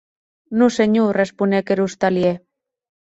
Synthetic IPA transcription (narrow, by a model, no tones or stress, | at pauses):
nuseɲurespunekeɾust̪alje